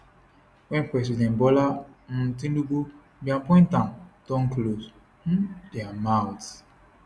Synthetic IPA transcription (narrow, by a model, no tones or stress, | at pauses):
wɛ̃npɛs̬idɛ̃nbɔlan̩tĩndubu | biãpɔ̃ĩntãmd̥ɔ̃nklos̩ | dɛamawt